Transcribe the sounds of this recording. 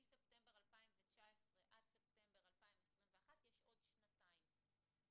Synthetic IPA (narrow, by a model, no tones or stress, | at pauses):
isept̪embeʁalpaimvet͡ʃaesʁeʔadsep̚t̪embeʁalpaimesʁimveaχat̪jeʃʔo̞dʃnataim